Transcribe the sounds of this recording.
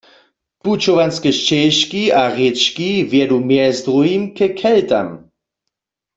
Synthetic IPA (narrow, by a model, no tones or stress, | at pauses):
put͡ʃovanskɛʃt͡ʃɛʃkiaʁet͡ʃkivjɛdumjɛzdʁuimkɛkʰɛlta̰m